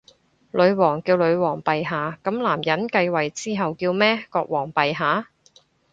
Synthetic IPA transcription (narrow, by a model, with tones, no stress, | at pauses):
lɵ˨˧ɥwɔː˨˩ŋkiː˧wlɵ˨˧ɥwɔː˨˩ŋpɐ˨jɦaː˨kɐ˨˥mlaː˨˩mjɐ˨˥nkɐ˧jwɐ˨˩jt͡siː˥ɦɐ˨wkiː˧wmɛː˥kɔː˧k̚wɔː˨˩ŋpɐ˨jɦaː˨˥